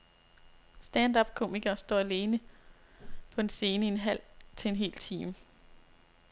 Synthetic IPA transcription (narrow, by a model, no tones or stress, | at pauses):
sd̥ænd̥ɒb̥̚kʰo̝miɡ̥ɐsd̥ɒ̰ːæle̝ːnə | pʰɒ̽e̝nse̝ːnəienɦæl̰t͡sʰe̝e̝nɦe̝̰ːlt͡sʰiːmə